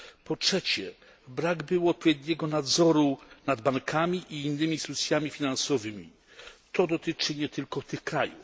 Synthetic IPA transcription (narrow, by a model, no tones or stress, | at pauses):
pɔtʂɛt͡ɕɛ | bɾaɡbɘwɔt̪̚pɔvʲjɛd̪ɲɛɡɔnad̪zɔɾunad̪baŋkʰamʲiʔiːnːɘmʲist̪ut̪sʲjamʲifʲinansɔvɘmʲḭ | t̪ɔd̪ɔt̪ɘt͡ʂɘɲɛt̪ʰɘlkɔt̪ɘxkɾajṵf